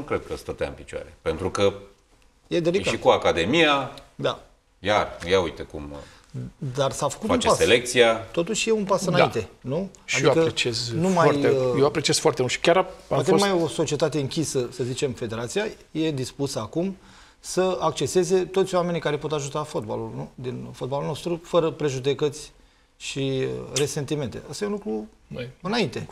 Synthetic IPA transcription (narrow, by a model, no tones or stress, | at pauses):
ukɾed̪̚kəst̪ət̪a̰ɨ̰npit͡ʃoa̰ɾe̞̰pent̪ɾukə | jed̪eliɡaʃikuakad̪e̞mijad̪a̰ | jarjaujt̪ekṵm | d̪arsafə̥kut̪aunepaselek̚t̪sijat̪o̞t̪uʃʲje̞unpasɨnaint̪e̞nu | ʃad̪ioakəɾet͡ʃieznumaaj̪ejeoapɾet͡ʃiez̥foaɾrt̪emulʃi̥kʲaɾaakemajoso̞t͡ʃie̞t̪at̪e̞ɨŋkʲisəsəzit͡ʃe̞mfe̞d̪e̞ɾat̪sija | je̞d̪ispusəakum | səak̚t͡ʃe̞se̞ze̞t̪o̞t̪sʲjoame̞nikaɾe̞po̞t̪aʒut̪afo̞t̪̚ba̰lulnud̪info̞t̪̚balulno̞st̪ɾufəɾəpɾe̞ʒud̪e̞kət̪sʲ | ʃiɾe̞se̞nt̪ime̞nt̪e̞ʔəst̪ajeunlukɾu | ɨnaint̪e̞